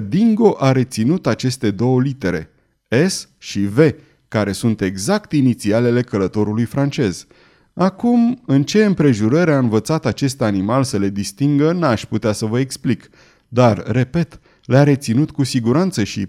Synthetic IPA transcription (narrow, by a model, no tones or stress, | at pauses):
d̪iŋɡo̞ʔaɾe̞t̪sinut̪at͡ʃe̞st̪e̞d̪o̞wəlit̪e̞ɾe̞̰ | esʃive̞ | kaɾe̞sunt̪e̞ɡzakt̪init̪siale̞le̞kələt̪o̞ɾulujfɾant͡ʃe̞z | akumɨnt͡ʃe̞ɨmpɾe̞ʒuɾəɾaɨnvət̪sat̪at͡ʃe̞st̪animalsəle̞d̪ist̪iŋɡənaʃʲput̪easəvəeksplik | d̪arːe̞pe̞t̪ | leaɾe̞t̪sinut̪kusiɡuɾant̪səʃḭ